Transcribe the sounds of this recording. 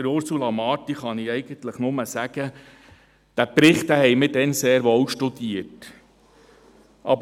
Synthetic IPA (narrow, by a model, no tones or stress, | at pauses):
əɾʊɾsulɑmɑːtiχɑniɛɪɡ̥ənt̪ləχnʊməsæɡ̥ə | d̪̥æpɾɪχtæhɛɪmɪdɛnseːɾʋowʃtudiət | ʔɑbə